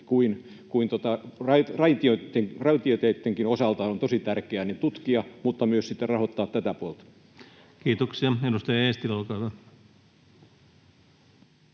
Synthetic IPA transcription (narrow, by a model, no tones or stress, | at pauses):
kuin | kuint̪ot̪ɑrɑrɑit̪iot̪ːeŋrɑit̪iot̪eit̪ːeŋkinosɑlt̪ɑɑont̪osit̪ærkeænet̪ut̪kiɑmut̪ːɑmyøssit̪ːerrɑhot̪ːɑːt̪t̪æt̪æpuolt̪ɑ̥ | kiːt̪oksiɑedust̪ɑjɑeːst̪ilolkɑiʋɑ